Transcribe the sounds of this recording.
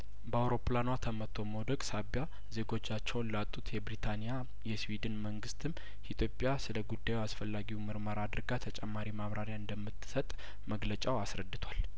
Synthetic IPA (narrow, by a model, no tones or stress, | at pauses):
bəawɾo̞planwat̪ʰəmət̪ʰːo̞mod̪əkʼsabja | ze̞ɡo̞t͡ʃːat͡ʃːɛwnlat̪ʼːut̪ʰjɛbɾit̪ʰanija | jɛswid̪ɨnməŋɡɨst̪ʰɨm | ʔit̪ʰjo̞pʼjasɨləɡud̪ːajwasfəlːaɡiwməɾməɾad̪ɨɾɡat̪ʰət͡ʃʼɛmːaɾimaβɾaɾjaɨnd̪əmːɨt̪ʰːɨsət̪ʼ | məɡlət͡ʃʼawasɾəd̪ːɨt̪ʰwal